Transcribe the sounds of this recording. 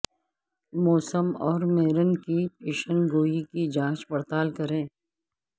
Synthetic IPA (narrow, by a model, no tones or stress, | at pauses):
mɔːsəmɔːɾmeːɾənkipeːʃənɡoːikid͡ʒãːt͡ʃpɐɽt̪aːlkɐɾẽː